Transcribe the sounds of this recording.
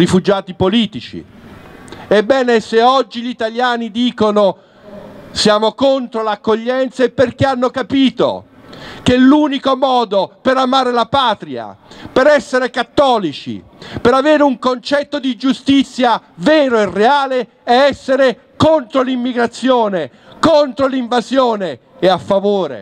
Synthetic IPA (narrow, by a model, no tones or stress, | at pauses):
rifud͡ʒaːt̪ipoliːt̪it͡ʃḭ | ebːɛːneseɔd͡ʒːiʎit̪aljaːnid̪iːkono | sjaːmokont̪ɾolakːoʎːɛnt̪saepːerkeanːokapiːt̪o̰ | k̟eluːnikomɔːd̪opeɾamaːɾelapaːt̪ɾia̰peɾɛsːeɾekat̪ːɔːlit͡ʃḭ | peɾaveːɾeuŋkont͡ʃɛt̪ːod̪id͡ʒust̪it̪sːjavɛːɾoerːeaːle | ɛɛsːeɾe | kont̪ɾolimːiɡɾat̪sːjoːne | kont̪ɾoliɱvazjoːneː | afːavoːɾḛ